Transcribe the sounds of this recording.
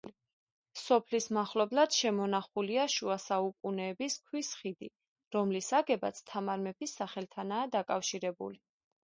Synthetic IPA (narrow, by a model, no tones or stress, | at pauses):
sɔpʰlismaχlɔblad̪̥ʃɛmɔnaχuliaʃuasaukʼunɛːbiskʰwisχid̪i | ɾɔmlisaɡɛba̰t̪sʰt̪ʰamaɾmɛpʰisːaχɛlt̪ʰanaːd̪akʼafʃiɾɛbṵli